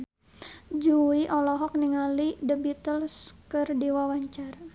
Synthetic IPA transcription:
d͡ʒuiʔɔlɔɦɔk̚niŋalidəbit̪əlskərdiwawaɲt͡ʃara

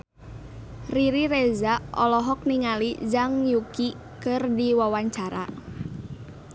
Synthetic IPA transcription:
riɾiɾezaʔɔlɔɦɔk̚niŋalid͡ʒaŋjuki | kərdiwawaɲt͡ʃaɾa̰

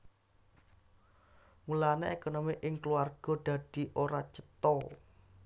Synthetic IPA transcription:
mulaneekonomiʔɪŋkluarɡ̥ɔ̤ɖ̪̥a̤d̪̥i̤ʔoɾat͡ʃə̥t̪ɔ

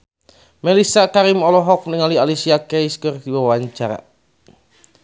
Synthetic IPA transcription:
mɛlisakaɾimɔlɔɦɔk̚mniŋalialisiakɛiskərdibawaɲt͡ʃaɾa̰

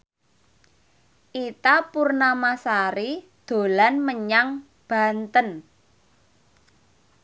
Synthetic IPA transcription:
ʔit̪apurnamasaɾi | d̪̥o̤lanməɲaŋ | b̥a̤nt̪ən

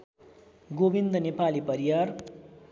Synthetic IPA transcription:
ɡobind̪ʌnepalipʌɾiwar

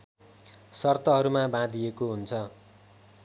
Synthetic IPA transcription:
sʌrt̪ʌɦʌɾumabãd̪ijekoɦunt͡sʰʌ

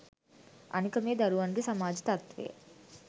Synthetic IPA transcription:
ɐ̰nikɐmeːd̪ɐɾuʋɐɳɖisɐmaːd͡ʒit̪ɐt̪ʋḛː

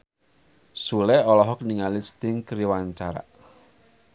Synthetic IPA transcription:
sulɛɔlɔɦɔkniŋalist̪ɪŋkɾiwaɲt͡ʃaɾa̰ʔ

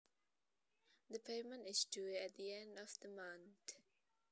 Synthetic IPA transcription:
ðəpʰeɪmə̃ntɪzduæt̪̚ðiɛ̃ndɔvðəmʌ̃nθ

